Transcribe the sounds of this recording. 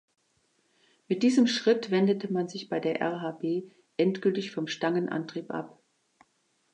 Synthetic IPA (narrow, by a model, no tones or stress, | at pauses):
mɪt̚d̥iːzəmʃʁ̥ɪtv̥ɛndətəmanzɪçb̥aɪdeːɐʔɛ̰ɐɦaːbeː | ʔɛntɡ̥ʏltɪçfɔmʃtaŋənʔa̰ntʁ̥iːpʔa̰p